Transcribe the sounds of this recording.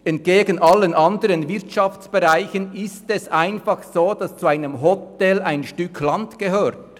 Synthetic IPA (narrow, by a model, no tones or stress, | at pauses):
ɛnt̚ɡ̥eːɡən̩ʔɑlːənʔɑndəɾənvɪɐtʃɑft͡sb̥eʁaɪçənɪstɛsʔaɪnfɑχsoːd̥ɑst͡suaɪnəmɦɔtɛlaɪnʃtʏkʰlɑntɡ̥eɦøːɾt